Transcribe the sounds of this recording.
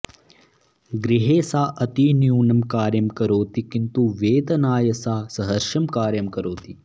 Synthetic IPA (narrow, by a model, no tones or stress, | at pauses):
ɡɾiɦeːsaːʔɐt̪iːnjuːɳɐmkaːɾjɐmkɐɾoːt̪ikint̪uʋeːt̪ɐnaːjɐsaːsɐɦɐɾʃɐmkaːɾjɐmkɐɾoːt̪i